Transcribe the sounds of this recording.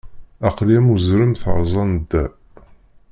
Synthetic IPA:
æqliæmuzɾəmθɾˤzˤɑnd̪ːæ

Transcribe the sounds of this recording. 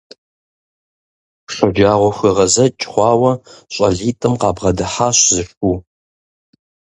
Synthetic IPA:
ɬʷʼʊd͡ʒaːʁʷɔxʷɨʁɐzɐt͡ʃʼχʷɑːwɐɕʼɐɮiːtʼɨmqɑːbʁɐdɨħaːɕzɨɕuː

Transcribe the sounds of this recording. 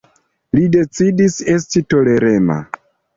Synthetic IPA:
lide̞t͡sidise̞stito̞le̞ɾema̰

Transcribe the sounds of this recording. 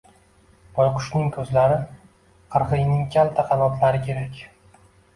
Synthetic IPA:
bɒjqʰʊ̥ʃnɪŋkʰɵzlaɾɪ | qʰɨɾʁɨjnɪŋkʲʰalt̪ʰaqʰɑnɒt̪laɾɪkʲʰe̞ɾakʲ

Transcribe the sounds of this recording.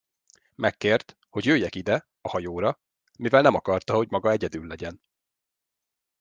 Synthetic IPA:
mʔɛkːeːrt̪ | ho̞ɟjøːjːɛkid̪ɛ | ɒhɒjoːɾɒ | mivɛlnɛmɒkɒrt̪ɒho̞ɟmɒɡɒɛɟɛd̪ylːɛɟɛn

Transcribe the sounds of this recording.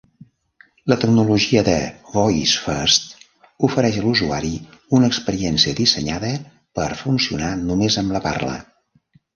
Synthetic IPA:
lət̪əɡnuluʒiəðəvɔjisfəst̪ | ufəɾɛʃəluzuaɾiunəːkspəɾiɛnsiəðisəɲaðə | pəɾfunsiṵnanumezəmləpa̰rlə̰

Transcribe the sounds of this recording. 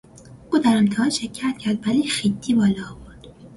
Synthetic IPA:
ʔuːd̪æɾent̪ʰɛhɒnʃecʰːæt̪cʰæɾd̪væliːxid̪ːiːbɒːlɒːboɾd̪̥

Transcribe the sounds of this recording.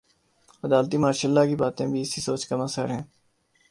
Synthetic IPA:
əd̪aːlt̪iːmaːɾʃəlːaːkibaːt̪ẽːbʱiɪsisoːt͡ʃkəməsə̰ɾɦɛ̃ː

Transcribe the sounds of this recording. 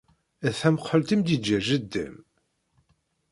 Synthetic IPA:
æθæməqħəlt̪imd̪id͡ʒːæʒəd̪ːə̰m

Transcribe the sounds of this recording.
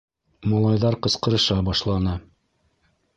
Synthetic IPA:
mɑlˠɑjðɑɾqɤ̆sqɤ̆ɾɤ̆ʃɑbɑʃlˠɑnɤ

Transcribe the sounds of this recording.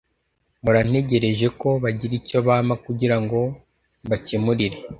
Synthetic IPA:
muɾan̥e̞ɟe̞ɾe̞ʒe̞ko̞βaɟiɾico̞βaːmakuɟiɾaŋɡo̞ | βacemuɾiɾe̞

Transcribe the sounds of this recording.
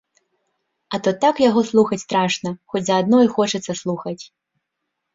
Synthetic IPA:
ɐt̪ɔt̪akjaɣɔslˠuxɐt͡sʲst̪ɾaʂnɐxɔt͡sʲzɐːd̪nɔjxɔt͡ʂɛt̪sːɐslˠuxɐt͡sʲ

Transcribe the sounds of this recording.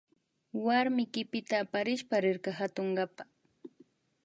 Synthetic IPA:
waɾmɪjkɪpɪt̪aːpaɾɪʃpaɾɪɾkɑɦat̪oɴɢapa

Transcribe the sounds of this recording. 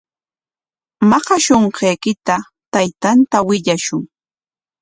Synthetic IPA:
mɑhɑʃoɴqejkɪt̪a | t̪ajt̪ant̪awɪʎaʃʊŋ

